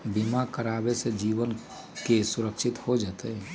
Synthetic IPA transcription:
bimakəɾaːbesed͡ʒiːʋən | kesʊɾəkʃʰɪt̪hod͡ʒat̪eɦɛ

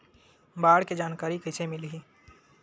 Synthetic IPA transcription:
baːɽked͡ʒaːnkaːɾikəsemɪlɦi

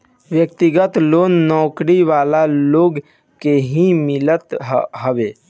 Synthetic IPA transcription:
ʋjək̚t̪ɪɡət̪loːnːɔːkɾiʋaːlaloːɡ | keɦimɪlət̪ɦɦəʋeː

